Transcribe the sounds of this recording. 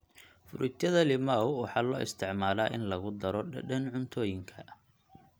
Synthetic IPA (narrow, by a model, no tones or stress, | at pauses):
fʊ̰ɾʔɪt̪ʰjɐðɐlɪmawwɑħɑːlɔːʔɪ̰st̪ʰɪʕmaːlaːʔɪnlɐɣʊd̪ɐɾɔɖɐɐnʕʊnt̪ʰɔːjɪŋkʰɐ